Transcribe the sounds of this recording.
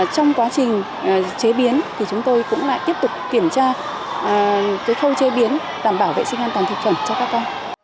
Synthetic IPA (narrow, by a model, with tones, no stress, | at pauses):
t͡ɕɔ˧wŋ͡mkwaː˨˦t͡ɕï˨˩ŋ̟˨˩ | t͡ɕe˨˦ɓi˨˦ənt̪ʰi˨˩t͡ɕʊ˨˦ŋ͡mt̪o˧jkʊ̰˧˥ŋ͡mla̰ː˧˨jt̪i˦˥p̚t̪ʊ˨˩k͡p̚ki˧˩əmt͡ɕaː˧˨˩ | kəː˨˦jxə˧wt͡ɕe˨˦ɓi˨˦ən | ɗaː˧˩mɓaː˧˩wvḛ˧˨sï˧ŋʔaː˧nt̪waː˨˩nt̪̚ʰfʰə˧˩nt͡ɕɔ˧kaː˦˥kːɔ˧n